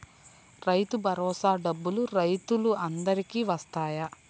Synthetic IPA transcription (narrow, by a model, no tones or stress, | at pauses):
ɾɐjt̪ubʱɐɾɔːsaːɖɐbːuluɾɐjt̪uluɐnd̪ɐɾikiːʋɐst̪aːjɐ